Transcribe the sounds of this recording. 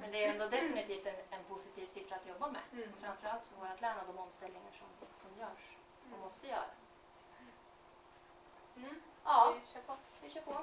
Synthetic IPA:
mɛnd̪ɛæɾɛnd̪ɔd̪ɛfɪnɪt̪ʰiːft̪ɛnɛnpʰʊsɪt̪ʰiːvsɪfɾaːt̪jɔbːamɛ̰fɾamfœɾalt̪fɔɡoːɾat̪lɛmnad̪ɔmɔmst̪ɛlnɪŋaʂɔmsɔmjœːʂ | dɔmːɔst̪əjœ̰ːɾas | ɑːʃpʰɔvɪʂœːpʰɔ

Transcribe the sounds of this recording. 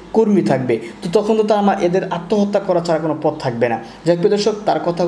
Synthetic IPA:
koɾmit̪ʰak̚bet̪ot̪ɔkʰont̪ot̪aamaʔed̪eɾat̪ːoɦot̪ːakɔɾat͡ɕaɾakonopɔd̪̚t̪ʰak̚bena | d͡ʑak̚pod̪oɾʃok̚t̪aɾkɔt̪ʰa

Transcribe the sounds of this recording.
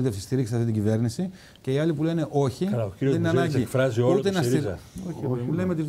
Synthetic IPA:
t̪eft̪ist̪iɾikssɐft̪it̪iɟive̞ɾnisi | ce̞iɐlipulene̞ʔo̞çiiotennɐnɐɲɟikfɾɐziout̪enɐsiolemet̪iz

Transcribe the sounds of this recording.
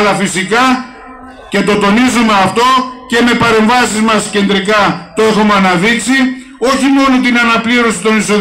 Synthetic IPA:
lɐfisikɐ | ce̞t̪o̞t̪o̞nizumeɐft̪o̞ce̞me̞pɐɾe̞ɱvɐsizmɐsce̞nd̪ɾikɐt̪o̞exumeɐnɐðiksi | o̞çimo̞no̞t̪inɐnɐpliɾo̞si̥t̪o̞niso̞

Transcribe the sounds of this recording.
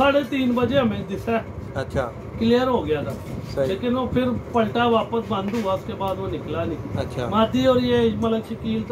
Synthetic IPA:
saːɽeːt̪iːnbəd͡ʒeːɦəmẽːd̪ɪsɛːəʃʰaː | klijəɾɦoːɡɪjaːd̪aːleːkɪnoːpʰɪɾpəlʈaːʋaːpəsbə̃nd̪ɦuːaːʊskeːbaːd̪õːnɪklaːnĩːət͡ʃʰaːmaːd̪iːɦoːɾieːmət̪ləbʃəkiːlt̪

